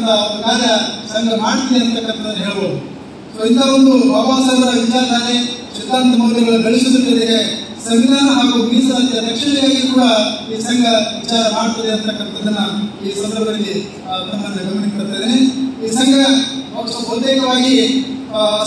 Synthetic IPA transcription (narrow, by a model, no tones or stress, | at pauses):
t̪ɐɡaːɾjɐsɐŋɡɐmaːɽt̪ɐd̪eɐnt̪ɐkːɐnt̪ɐd̪ɐnːɦeːɭɐboːd̪u | soːilt̪aond̪uɐʋaːsɐd̪ɐɾɐʋit͡ʃaːɾɐd̪aːleʃit̪aːnt̪ɐmɐɡ̪ɐd̪ɐɡɐɭuɡɐɭisud̪ɐt̪ːɐd̪iɡe | sɐminaːnɐɦaːɡuːmiːsɐt̪ɐɾɐkʂɐɳɛjaːɡikuːɽɐiːsɐŋɡɐʋit͡ʃaːɾɐmaːɽt̪ɐd̪eɐnt̪ɐkːɐnt̪ɐd̪ɐnːuiːsɐnd̪ɐɾbɐdɐɐɐlːi | ɡɐnt̪ɐnnːɐɡɐmɐɳipɐɽut̪ːeːd̪eeiːsɐŋɡɐɐspɐɾɐt̪eːkɐʋaːɡi